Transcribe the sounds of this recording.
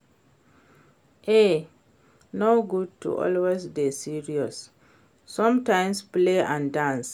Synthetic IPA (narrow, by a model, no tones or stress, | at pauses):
ʔe | noɡud̚tṵʔɔ̰lwezdesiɹiɔsː | ɔ̃mtãɪ̃mspleãndãns